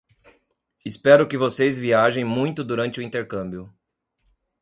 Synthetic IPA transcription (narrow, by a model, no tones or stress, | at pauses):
ɪspɛɾʊkɪvosejzviaʒẽj̃mũj̃t̪ʊd̪uɾɐ̃nt͡ʃɪʊĩnt̪eɾkɐ̃mbjʊ